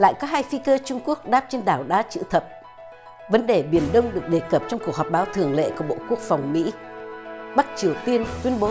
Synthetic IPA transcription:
la̰ː˧˨jkɔ˨˦ɦaː˧jfi˧kəː˧t͡ɕʊ˧ŋ͡mku˦˥ək̚ɗaː˦˥p̚t͡ɕe˧nɗaː˧˩wɗaː˨˦t͡ɕɨ̰˧˥t̪ʰə˨˩p̚ | və˨˦nɗe˨˩ɓi˧˩ənɗə˧wŋ͡mɗɨ˨˩ək̚ɗe˨˩kə˨˩p̚t͡ɕɔ˧wŋ͡mku˨˩ək̚ɦɔː˨˩ɓaː˨˦wt̪ʰɨ˧˩əŋlḛ˧˨ku˧˩əɓo̰˧˨ku˦˥ək̚fa˨˩wŋ͡mmḭ˧˥ | ɓa˦˥t̚t͡ɕi˨˩əwt̪i˧ənt̪wi˧ənɓo˨˦

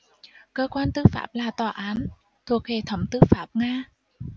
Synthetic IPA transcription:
kəː˧kwaː˧nt̪ɨ˨˦fa̰ː˦˥p̚laː˨˩t̪ɔː˨˩ʔaː˨˦n | t̪ʰu˨˩ək̚he˧˩t̪ʰə˧˦wŋ͡mt̪ɨ˨˦˥faː˦˥p̚ŋaː˧

